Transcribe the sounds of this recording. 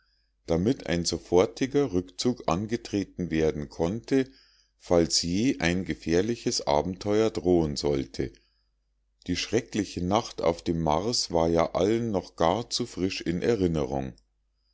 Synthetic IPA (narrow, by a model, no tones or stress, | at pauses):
d̥amɪtʰa̰ɪnzofɔɐtʰɪɡɐʁʏkt͡suːkʔanɡətʁ̥eːtn̩veːɐdn̩kʰɔntʰə | falsjeːʔaɪnɡəfɛːɐlɪçəsʔa̰ːbm̩tʰɔʏɐdʁoːənzɔltʰə̰ | d̥iːʃʁ̥ɛklɪçənaχta̰ʊfd̥eːmːaʁsv̥aːɐjaːʔalənːɔχɡ̥aːɐt͡sufʁ̥ɪʃɪnʔɛ̰ɐʁɪnəʁʊ̰ŋ